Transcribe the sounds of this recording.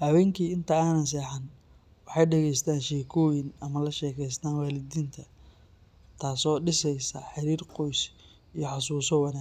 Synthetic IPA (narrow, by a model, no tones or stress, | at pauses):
hɐwɛːŋkʰiːɪnt̪ʰɐaːnɐns̬ɛːħan | wɑħɑjɖɛɣɛjst̪ʰaːnʃɛːkʰɔːjɪnɐmɐlɐʃɛːkʰɛjst̪ʰaːnwaːlɪðiːnt̪ʰɐ | t̪ʰaːsɔːɖɪsɛjsɐħɪɾiːrqɔjs | ijɞħɑsuːsɔwɑnaː